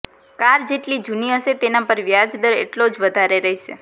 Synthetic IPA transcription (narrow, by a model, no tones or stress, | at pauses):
kaɾd͡ʒeʈlid͡ʒuniəʃet̪enapəɾʋjad͡ʒd̪əɾḛʈlod͡ʒʋəd̪ʱaɾeɾəɦiʃḛ